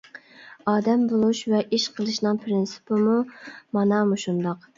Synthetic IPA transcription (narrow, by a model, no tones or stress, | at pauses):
ɑːd̪ɛmbolˠuʃvɛʔiʃqʰəlˠɨʃnɨŋpʰɾɪnsɨ̥pɨmumɑnɑmuʃund̪ɑq